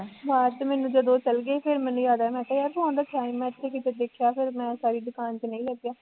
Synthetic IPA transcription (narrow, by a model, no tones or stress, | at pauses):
ʋaːt̪mɛ̃ːnũːd͡ʒəd̪oːt͡ʃəlɡeeːpʰɪɾmɛ̃ːnũːjaːd̪aːmɛ̃ːt̪aːjaːɾt̪ãːnd̪aːk̪ʰjaːnimɛ̃ːɪt̪ʰːeːkɪt̪ed̪eːkʰjaːpʰɪɾmɛ̃ːsaːɾiːd̪ʊkaːnt͡ʃnə̃ĩːləɡjaː